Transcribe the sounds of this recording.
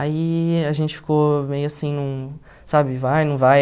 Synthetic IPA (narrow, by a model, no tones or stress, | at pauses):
aiaʒẽnt͡ʃɪ̥fi̥komejʊasĩnũ | sabɪvajnɐ̃w̃vaj